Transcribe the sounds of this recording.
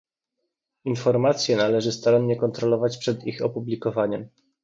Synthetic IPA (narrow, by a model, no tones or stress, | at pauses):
infɔɾmat̪sʲjɛnalɛʐɘst̪aɾamɲɛkɔnt̪ɾɔlɔvat͡ɕpʂɛd̪ixɔpublʲikɔvaɲɛm